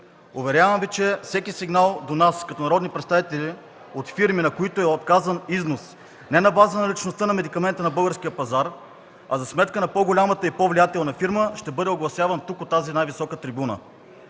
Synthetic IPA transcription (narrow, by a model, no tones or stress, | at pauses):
ʊvɛɾʲjavəmvit͡ʃɛfsɛkʲisiɡnalˠd̪onaskɐt̪ɔnɐɾɔd̪nipɾɛt̪st̪avit̪ɛlʲi | ot̪fiɾminɐkoit̪oɛot̪̚kazəniznos | nɛnɐbazənɐlʲit͡ʃnost̪ənɐmɛd̪ikɐmɛnt̪ənɐbɤlˠɡəɾskʲijəpɐzaɾ | ɐzɐsmɛt̪kənɐpɔɡolʲamɐt̪əipɔvlijat̪ɛlˠnɐfiɾməʃt̪ɛbɤd̪ɛoɡlˠɐsʲjavənt̪ukot̪ːazinajvisɔkət̪ɾibunə̰